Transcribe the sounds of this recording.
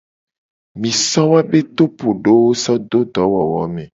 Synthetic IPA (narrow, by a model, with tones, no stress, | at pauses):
mĩ˨sɔ˦wa˦be˦t̪o˦po˨ɖo˦wo˦sɔ˦d̪o˦d̪ɔ˨˦wɔ˨wɔ˨˦mẽ˨